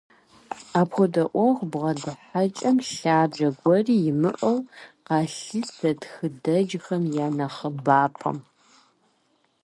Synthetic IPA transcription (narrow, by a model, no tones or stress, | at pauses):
aːpxʷɔdɐʔʷɔʁʷbʁɐdɨħat͡ʃʼɐmɬaːd͡ʒɐɡʷɔriːjɪmɨʔɐwqɑːɬɨsɐtxɨdɐd͡ʒxɐmjaːnɐχəbaːpʰɐ̰m